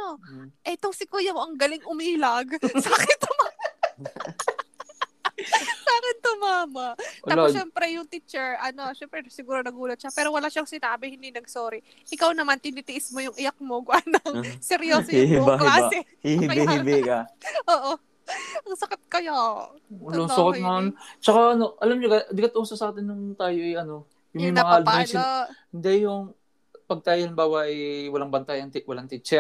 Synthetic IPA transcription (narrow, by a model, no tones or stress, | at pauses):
noʔɛt̪oŋsɪkuːjɐmoʔɐŋɡɐlɪŋʔʊmiːlɐɡsakɪt̪ʊma | saːkɪnt̪ʊmaːmɐʔt̪aːlʃɛːmpɾɛjʊŋt̪iːt͡ʃɛɹʔɐno̞ʃɛmpɾɛsɪɡuːɾonɐɡuːlɐt̪ʃapɛːɾo̞wɐlaːʃaŋsɪnaːbɛhɪnd̪inɐɡ̚soːɾi | ʔɪkawnɐmant̪ɪnit̪ɪʔɪsmojʊŋʔɪjɐk̚moɡʊʔanɐŋsɛɾjoshihɪbaɦɪbaɛhihɪbihɪbɪkɐʔoːʔo | ɐŋsɐkɪt̪̚kɐjo | ɐlosakanɐant͡ʃɐkaʔɐno̞ʔɐlamɲokɐd̪ɪkɐt̪ʊʔusɐsaːt̪ɪnjʊŋt̪aːjo̞ʔɛjʔɐno̞ | jʊŋmɐɐjmɐŋaʔɐlpashɪnd̪ɛjʊŋ | pɐɡ̚t̪aːjɐnɐmbaːwɐʔɛwɐlaŋbɐnt̪ɐjɐŋt̪ɪwɐlaŋt̪ɪt͡ʃɛ